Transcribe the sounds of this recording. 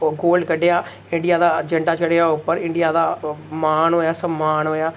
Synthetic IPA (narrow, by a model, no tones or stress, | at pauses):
ɡoːlɖkəɖejaː | ɪ̃ɳɖɪjaːd̪aːd͡ʒəɳɖaːt͡ʃəɽejaːʊpːəɾɪ̃ɳɖijaːd̪aːmaːnɦoːjaːsəmːaːnɦoːjaː